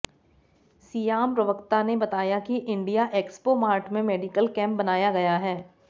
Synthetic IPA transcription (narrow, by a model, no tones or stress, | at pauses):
siːjaːmpɾɐʋəkt̪anebɐt̪aːjakiʔɪ̃ɳɖijaʔeːkspomaːɾʈʰmẽmeːɖikəlkɛ̃ːmp̚bɐnaːjaɡɐjaɦɛː